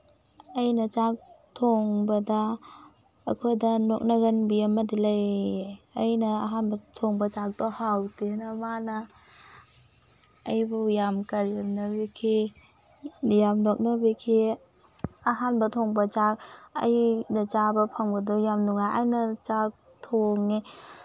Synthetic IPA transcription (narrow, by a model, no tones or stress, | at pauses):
ajnɐt͡ʃak̚tʰoŋbɐdɐ̰ː | kʰojdɐnɔk̚naɡɐnbiɐmɐdilajeɐjnɐːɦanbɐtʰɔŋbɐt͡ʃak̚d̥ɔhawtenɐmanɐ | jbujamkaɾjamnɐbikʰi | jamnok̚nabikʰi | aɦanbɐtʰoŋbɐt͡ʃak̚ɐ̰jdɐt͡ʃabɐpʰaŋbɐdɔjamnuŋajʔajnɐt͡ʃak̚ | tʰoŋːi